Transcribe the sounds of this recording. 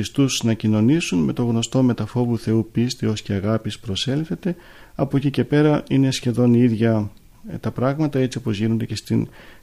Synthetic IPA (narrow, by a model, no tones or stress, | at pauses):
ist̪usnɐcino̞nisunme̞t̪o̞ɣno̞st̪o̞me̞t̪ɐfo̞vuθe̞upist̪iosceɐɣɐpispɾo̞se̞lθe̞t̪e̞ | ɐpocice̞pe̞ɾɐine̞sçe̞ðo̞niiðʝɐ | t̪ɐpɾɐɣmɐt̪ɐe̞t͡sio̞po̞zʝino̞nd̪e̞̰ce̞st̪in